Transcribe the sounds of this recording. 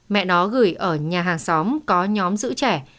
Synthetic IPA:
mɛ̰˧˨nɔ˨˦ɣɨ˧˩əjʔəː˧˩ɲaː˨˩ɦaː˨˩ŋsɔ˨˦wmkɔ˨˦ɲɔ˨˦mzɨ̰˧˥t͡ɕɛ˧˩

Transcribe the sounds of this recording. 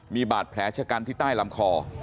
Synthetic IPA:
miː˧baː˨˩t̪̚pʰlɛː˩˥t͡ɕʰa˧ka˧nt̪ʰiː˥˩t̪aː˥˩jla˧˦mkʰɔː˧

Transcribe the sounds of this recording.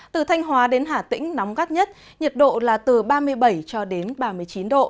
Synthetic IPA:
t̪ɨ˨˩t̪ʰa˧jŋ̟ɦwaː˨˦ɗe˨˦nɦaː˧˩t̪ḭ˧˥ŋ̟na˨˦wŋ͡mɣaː˦˥t̚ɲə˦˥t̚ | ɲə˨˩t̚ɗo̰˧˨laː˨˩t̪ɨ˨˩ɓaː˧mɨ˧əjɓə˧˩jt͡ɕɔ˧ɗe˨˦nɓaː˧mɨ˧əjt͡ɕi˨˦nɗo̰˧˨

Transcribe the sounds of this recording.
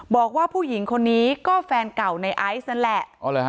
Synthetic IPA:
bɔː˨˩k̚waː˥˩pʰuː˥˩ji˩˦ŋkʰo˧nːiː˦˥kɔː˥˩fɛː˧nka˨˩wna˧jʔa˦˥jsna˦˥nlɛ˧˩ʔɔ˧˩lː

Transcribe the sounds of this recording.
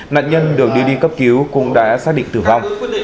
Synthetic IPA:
na̰ː˧˨nɲə˧nɗɨ˨˩ək̚ɗi˧ɗi˧kə˦˥p̚ki˨˦əwkʊ̰˧˥ŋ͡mɗa̰ː˧˥saː˦˥k̚ɗḭ˧˨ŋ̟t̪ɨː˨˩va˧wŋ͡m

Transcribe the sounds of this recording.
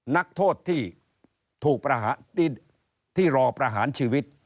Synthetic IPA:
na˦˥k̚t̪ʰoː˥˩t̪ʰːiː˥˩ | t̪ʰuː˨˩k̚pɾa˧ɦaː˩˦˥ | t̪ʰːiː˥˩ɾɔː˧pɾa˧ɦaː˩˦nt͡ɕʰiː˧wi˦˥t̪̚

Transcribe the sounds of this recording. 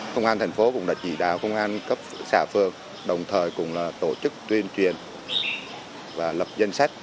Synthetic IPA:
kə˧wŋ͡mʔaː˧nt̪ʰɛ˨˩ŋ̟fo˨˦kʊ̰˧˥ŋ͡mɗa̰ː˧˥t͡ɕi˧˩ɗa̰ː˧˨wkə˧wŋ͡mʔaː˧nkə˦˥p̚saː˧˩fɨ˨˩əŋ | ɗə˨˩wŋ͡mt̪ʰəː˨˩jkʊ̰˧˥ŋ͡mlaː˨˩t̪o˧˩t͡ɕɨ˦˥k̚t̪wi˧ənt͡ɕwi˨˩ən | vaː˨˩lə˨˩p̚zə˧nsa˦˥jk̟̚

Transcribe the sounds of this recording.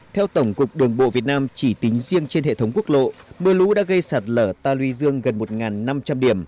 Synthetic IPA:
t̪ʰɛ˧wt̪ə˧˩wŋ͡mkʊ˨˩k͡p̚ɗɨ˨˩əŋɓo̰˧˨vi˨˩ət̚naː˧mt͡ɕi˧˩t̪ï˨˦ŋ̟zi˧əŋt͡ɕe˧nɦḛ˧˨t̪ʰə˨˦wŋ͡mku˦˥ək̚lo̰˧˨mɨ˧əlu˨˦˥ɗa̰ː˧˥ɣə˧jsaː˨˩t̚ləː˧˩t̪aː˧lwi˧zɨ˧əŋɣə˨˩nmo˨˩t̚ŋaː˨˩nːa˧mt͡ɕa˧mɗi˧˩əm

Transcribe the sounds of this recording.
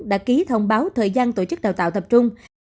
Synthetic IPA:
ɗa̰ː˧˥ki˨˦t̪ʰə˧wŋ͡mɓaː˨˦wt̪ʰəː˨˩jzaː˧nt̪o˧˩t͡ɕɨ˦˥k̚ɗaː˨˩wt̪a̰ː˧˨wt̪ə˨˩p̚t͡ɕʊ˧ŋ͡m

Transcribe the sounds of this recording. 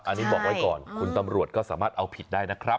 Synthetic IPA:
ʔʔa˧nːiː˦˥bɔː˨˩k̚wa˦˥jkɔ̰ː˨˩nkʰu˧nt̪a˧mɾu˨˩ət̪̚kɔː˥˩saː˩˦maː˥˩t̪̚ʔa˧wpʰi˨˩t̪̚daː˥˩jna˦˥kʰɾa˦˥p

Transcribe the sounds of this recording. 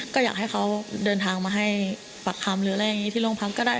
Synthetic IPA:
kɔː˥˩jaː˨˩k̚ha˥˩jxʰa˦˥wdɤː˧nt̪ʰaː˧ŋmaː˧ɦa˥˩j | fa˨˩kʰːa˧mɾɯː˨˦˥ja˧ŋːi˦˥i˥˩lo˥˩ŋpʰa˦˥k̚kːɔː˥˩daː˥˩

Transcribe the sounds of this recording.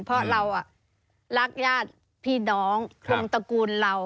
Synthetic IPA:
npʰɔ˦˥ɾa˧wʔa˨˩ | la˦˥˩k̚jaː˥˩t̪̚ | pʰiː˧˥˩nɔː˩˦ŋkʰo˧ŋt̪a˧kuː˧nla˧w

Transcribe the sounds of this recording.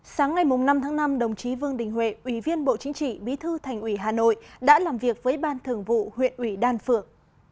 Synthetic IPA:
saː˨˦ŋːa˨˩jmʊ˨˩ŋ͡mna˧mt̪ʰaː˨˦ŋna˧mɗə˨˩wŋ͡mt͡ɕi˨˦vɨ˧əŋɗ̪ï˨˩ŋ̟wḛ˧˩ʔwi˧˩vi˧ənɓo̰˧˨t͡ɕï˨˦ŋ̟t͡ɕḭ˧˨ɓi˨˦t̪ʰɨ˧t̪ʰa˨˩jŋ̟ʔwi˧˩ɦaː˨˩no̰˧˨jɗa̰ː˧˥laː˨˩mvi˨˩ək̚vəː˨˦jɓaː˧nt̪ʰɨ˧˩əŋvṵ˧˨hwḭ˧˨ənʔwi˧˩ɗaː˧nfɨ˨˧˩ək̚

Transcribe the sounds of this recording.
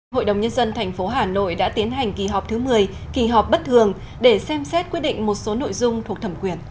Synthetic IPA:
ɦo̰˧˨jɗə˨˩wŋ͡mɲə˧nzə˧nt̪ʰɛ˨˩jŋ̟fo˨˦ɦaː˨˩no̰˧˨jɗa̰ː˧˥t̪i˨˦ənɦa˨˩jŋ̟ki˨˧˩ɦɔ˨˩k͡p̚t̪ʰɨ˨˦mɨ˨˩əj | ki˧˩ɦɔ˨˩k͡p̚ɓə˦˥t̚t̪ʰɨ˨˩əŋ | ɗe˧˩sɛ˧msɛ˦˥t̚kwi˦˥ɗḭ˧˨ŋ̟mo˨˩t̚so˨˦no̰˧˨jzʊ˧ŋ͡mt̪ʰu˨˩ək̚t̪ʰə˧˩mkwi˧˩ən

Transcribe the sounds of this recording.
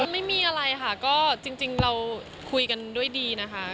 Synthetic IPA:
ma˥˩jmiː˧ʔa˧ɾa˧jkʰa˥˩kɔː˥˩t͡ɕi˧ŋt͡ɕi˧ŋɾa˧w | kʰu˧jka˧ndu˥˩əjdiː˧na˦˥kʰa˦˥

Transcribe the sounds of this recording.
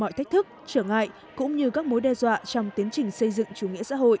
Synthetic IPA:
mɔ̰˧˨t̪ʰa˦˥k̟̚t̪ʰɨ˦˥k̚t͡ɕəː˧˩ŋa̰ː˧˨j | kʊ̰˧˥ŋ͡mɲɨ˧kaː˦˥k̚mo˨˦jɗɛ˧zwa̰ː˧˨t͡ɕɔ˧wŋ͡mt̪i˨˦ənt͡ɕï˨˩ŋ̟sə˧jzɨ̰˧˨ŋt͡ɕu˨˩˦ŋḭ˧˥əsa̰ː˧˥ɦo̰˧˨jʔ

